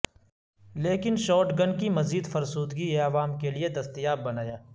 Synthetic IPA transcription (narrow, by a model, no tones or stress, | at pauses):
leːkɪnʃɔːʈɡɐnkimɐziːd̪fɐɾsuːd̪ɡieɐʋaːmkelied̪ɐst̪ijaːbːɐnaːjaː